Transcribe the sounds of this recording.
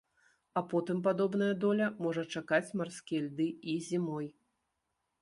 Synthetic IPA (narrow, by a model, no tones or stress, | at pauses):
apɔt̪ɨmp̬ad̪ɔbn̪ɐjɐd̪ɔlʲɐmɔʐɐt͡ʂakat͡sʲmarskʲɛlʲd̪ɨizʲimɔj